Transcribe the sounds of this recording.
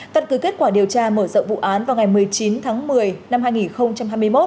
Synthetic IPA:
t̪ə˧nkɨ˨˩ke˦˥t̚kwaː˧˩ɗi˨˩əwt͡ɕaː˧məː˧˩z̰ŋ͡mvṵ˧˨ʔaː˨˦nvaː˨˩wŋa˨˩jmɨ˨˩əjt͡ɕi˨˦nt̪ʰaː˨˦ŋmɨ˨˩əjna˧mɦaː˧jŋi˨˩nxə˧wŋ͡mt͡ɕa˧mɦaː˧jmɨ˧jmo˦˥t̚

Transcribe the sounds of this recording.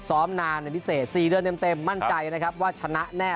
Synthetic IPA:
sɔː˩˦˥mnaː˧nːa˧˩pʰi˦˥seː˨˩t̪̚siː˨˩dɯ˧ənt̪e˧mt̪e˧mːa˥˩nt͡ɕa˧jna˦kʰɾa˦˥p̚waː˥˩t͡ɕʰa˧na˦˥ʔnɛː˥˩

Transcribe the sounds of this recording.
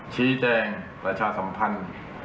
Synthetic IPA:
t͡ɕʰiː˦˥t͡ɕɛː˧ŋpɾa˧t͡ɕʰaː˧˩sa˧˦mpʰa˧n

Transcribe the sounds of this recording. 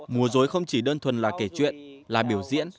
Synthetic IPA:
mu˨˦əzo˨˦jxə˧wŋ͡mt͡ɕi˧˩ɗəː˧nt̪ʰwə˨˩nlaː˨˩ke˧˩t͡ɕwḭ˧˨ənlaː˨˩ɓi˧˩əwzḭ˧˥ən

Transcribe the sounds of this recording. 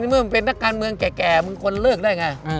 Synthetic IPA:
i˥˩mɯ˥˩ma˧pe˧nːa˦˥˩kːaː˧nmɯ˧əŋkɛː˨˩kɛː˨˩mɯ˧ŋkʰo˧nlɤː˥˩k̚daː˥˩jŋa˧j

